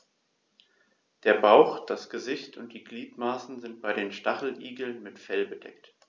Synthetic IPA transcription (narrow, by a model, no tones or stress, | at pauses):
d̥eːɐbaʊxd̥asɡ̥əzɪçtʰʊnt̚d̥iːɡliːtmaːsn̩zɪnt̚b̥aɪɾeːnʃtaχl̩ʔiːɡl̩nmɪtfɛlbəd̥ɛ̰kt